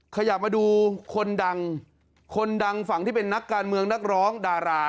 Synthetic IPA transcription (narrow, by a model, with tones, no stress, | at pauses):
kʰa˧ja˨˩maː˧duː˧kʰo˧nda˧ŋ | kʰo˧nda˧ŋfa˩˦ŋt̪iː˥˩pe˧nːa˦˥kːaː˧nmɯ˧əŋna˦˥˩k̚ɾɔː˦˥ŋdaː˧ɾaː˧